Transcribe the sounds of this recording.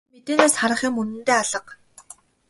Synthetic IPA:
met̪eːneːsχaɾə̆χiːmɵnɘ̆nt̪eːaɮə̆q

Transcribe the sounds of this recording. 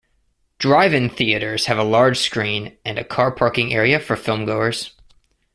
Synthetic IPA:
d̥ɹaɪvɪ̃ŋθiɨɾə˞z̥ɨvəlɑɹd̥ʒ̥skɹĩnɨ̃nɨ̰kʰɑɹpʰɑɹkɪ̃ŋɛɹiɨfə˞fɪlˠmɡoʊə˞z̥

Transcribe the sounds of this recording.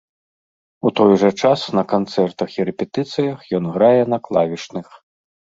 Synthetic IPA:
ut̪ɔjʐɐt͡ʂasnɐkant̪sɛrt̪ɐxiɾɛpʲɛt̪ɨt̪sɨjɐxjɔnɣɾajɛnɐklˠavʲiʂnɨx

